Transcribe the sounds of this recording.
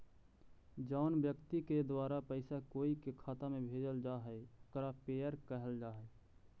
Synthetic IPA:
d͡ʒaʊnbjəkt̪iked̪waːɾapəɪsakoːikekʰaːt̪amẽbʱeːd͡ʒəld͡ʒaːɦɛokɾapeːəɾkəɦəld͡ʒaːɦɛ

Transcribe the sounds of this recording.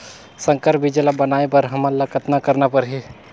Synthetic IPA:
sə̃ŋkəɾpbʱid͡ʒəlabənaːepəɾɦɐmələkət̪nakəɾnapəɾɦi

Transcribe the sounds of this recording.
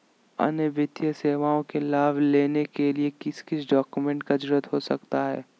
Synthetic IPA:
ɐ̰nəbɪt̪jəseːʋaːõkelaːʋleːnekeliekɪskɪsɖɔːkumẽɳʈkad͡ʒʊɾət̪ɦosɐkt̪aɦɛ̰ː

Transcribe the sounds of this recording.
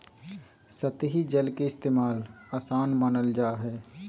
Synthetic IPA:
sɐt̪ɦid͡ʒɐlkeɪst̪eːmaːlaːsaːnmənəld͡ʒaːɦɛː

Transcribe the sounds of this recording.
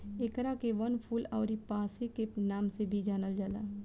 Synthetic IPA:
ekɾakeʋɐnpʰuːlɔːɾipaːsikenaːmsebʱid͡ʒaːnəld͡ʒaːla̰ː

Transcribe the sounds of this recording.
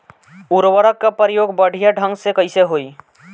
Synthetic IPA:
uɾwəɾəkːapɾəjoːɡbəɽʱijaɖʱə̃ŋɡsekəɪseɦoːi

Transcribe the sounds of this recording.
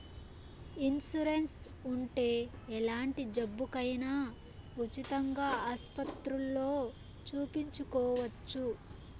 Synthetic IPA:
insuɾensuɳʈe̞ːɛlaːɳʈid͡ʒɐbːukɐjnaː | ut͡ʃit̪ɐŋɡaːaːspɐt̪ɾulːo̞ː | t͡ʃuːpiɲt͡ʃukɔːʋɐt͡ʃːu

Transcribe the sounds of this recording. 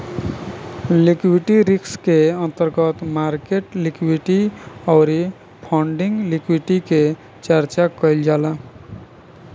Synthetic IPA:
likwiʈiɾikskeənt̪əɾɡət̪maɾkeʈlikwiʈiɔʊɾi | pʰɔɳɖiŋɡlikwiʈike | t͡ʃəɾt͡ʃakəjld͡ʒala

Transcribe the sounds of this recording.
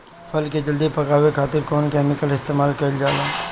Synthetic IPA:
pʰɐlked͡ʒɐld̪ipɐkaːwekʰaːt̪ɪɾkɔːnkɛːmɪkəlɪst̪eːmaːlkɐld͡ʒaːlaː

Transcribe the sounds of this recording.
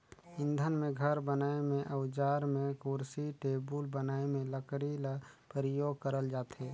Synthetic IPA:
ɪ̃nd̪ʱənmẽɡʱəɾbənaːemẽʔəʊd͡ʒaːɾmẽkuɾsiʈeːbulbənaːemẽləkɽiləpɾəjoːɡ̚kəɾəld͡ʒaːt̪ɦeː

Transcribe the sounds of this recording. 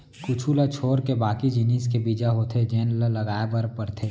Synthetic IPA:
kʊt͡ʃʰulat͡ʃʰoːɾkebaːkid͡ʒiniːskebiːd͡ʒaɦoːt̪ʰed͡ʒeːnllɐɡaːebəɾpəɾt̪ʰe

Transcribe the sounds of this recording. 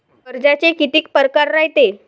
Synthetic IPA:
əɾd͡ʑat͡ɕekit̪iːkpəɾkaɾːaɦjt̪e

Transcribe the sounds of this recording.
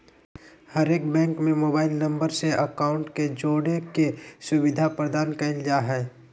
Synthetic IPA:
həɾeːkbɛ̃ːŋkmẽmoːbaːɪlnɐ̃mbəɾseʔɐkaːʊ̃ɳʈked͡ʒoːɽekesʊʋɪd̪ʱapɾəd̪aːnkɐɪld͡ʒaɦɛː

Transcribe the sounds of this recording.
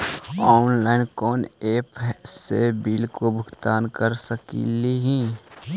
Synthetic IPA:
ɔːnlaːɪnkɔːneːpsebiːlkobʱʊɡt̪aːnkəɾsəkḭliɦĩː

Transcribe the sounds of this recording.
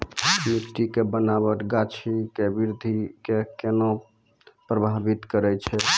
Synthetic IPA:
miʈ̪ːikebənaβəʈɡat͡ʃʰikebiɾd̪ʱikekeno | pɾəbʱabit̪kəɾɛt͡ʃʰɛ

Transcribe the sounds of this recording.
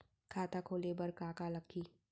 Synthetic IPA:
kʰaːt̪akʰoːlebɐɾkaːkalɐkʰːiː

